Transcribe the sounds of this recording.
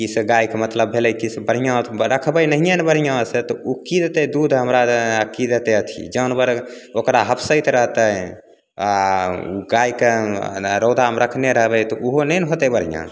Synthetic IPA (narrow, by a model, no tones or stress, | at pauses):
kiseɡajkemət̪ləbʱːeləjkisebəɽ̤ijãt̪ɾəkʰbəjnəɦijãnbəɽ̤ijãset̪ɔukid̪et̪ed̪ud̪ʱɦəmɾakid̪et̪eət̪ʰḭd͡ʒəwnbəɾ | okɾaɦəpʰsəɪt̪ɾəɦt̪ə | aṵɡajkeɾəʊd̪ʱamɾəkʰneɾəɦbɛt̪ɔʔuɦonəjnɦot̪ɛbəɽ̤ijã̰